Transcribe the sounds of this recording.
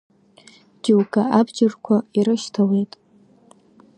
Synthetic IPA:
d͡ʒiwkʰʼaabd͡ʒɪrkʷʰaiɾɨʃtʰawejtʼ

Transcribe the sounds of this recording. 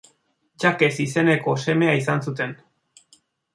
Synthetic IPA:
d͡ʒake̞sise̞ne̞ko̞se̞me̞aisansut̪e̞n

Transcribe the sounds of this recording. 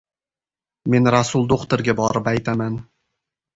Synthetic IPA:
me̞nɾasʊlˠd̪oqt̪oɾɡʲabɒɾɪpajt̪ʰaman

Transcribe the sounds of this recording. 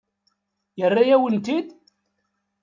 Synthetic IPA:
jərːajæwənt̪id̪

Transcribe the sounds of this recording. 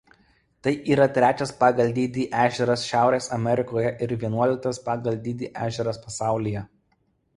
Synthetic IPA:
t̪ɐɪʔiːɾɐt̪ʲɾʲæːt͡ʃʲɛspɑːɡɐlʲd̪ʲiːd̪ʲiːʔæːʒʲɛɾɐsʃʲæˑʊɾʲeːsɐmʲɛɾʲɪkoːjɛʔɪɾʋʲiɛnuɔlʲɪk̚t̪ɐspɑːɡɐlʲd̪ʲiːd̪ʲiːʔæːʒʲɛɾɐspɐsɑˑʊlʲijɛ

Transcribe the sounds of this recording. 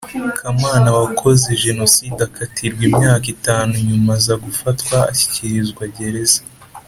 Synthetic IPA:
kʰamaːnawakʰo̞ze̞ʒe̞no̞sidakʰatʰiɾɡwimɲaːkitaːnuɲumazaɡufatkwa̰ːçi̥ciɾizɡwaɟe̞ɾe̞zḁ

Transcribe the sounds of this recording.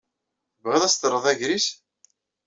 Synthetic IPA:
θəvʁeðˤæst̪əɾˤːəðˤæʝɾis

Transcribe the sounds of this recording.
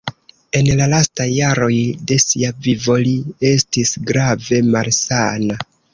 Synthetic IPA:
e̞nlalastajːaɾo̞jde̞siavivo̞lie̞stisɡɾave̞malsana

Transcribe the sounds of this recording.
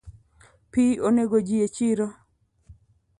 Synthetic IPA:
pioneɡod͡ʒiet͡ʃiɾo

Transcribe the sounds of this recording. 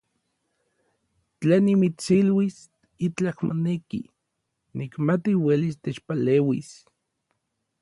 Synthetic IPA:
t͡ɬaːnːimit͡silwis | it͡ɬakmo̰nekḭ | nikmat̪iwelist̪et͡ʃpaleːwḭs

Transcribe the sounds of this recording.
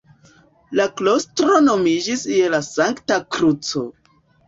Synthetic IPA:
laklo̞stɾo̞no̞mid͡ʒisielasaŋktakɾut͡so̞̰

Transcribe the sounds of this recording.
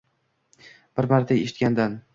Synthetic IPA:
b̥ɪɾmaɾt̪ʰaeʃɪt̪̚kʲand̪an

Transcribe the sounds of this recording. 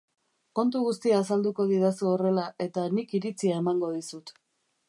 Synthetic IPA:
ko̞nt̪̬uɣust̪iaːsald̪uko̞ð̞iðasuore̞laʔe̞t̪anikiɾit͡siae̞maŋɡo̞ð̞isut̪

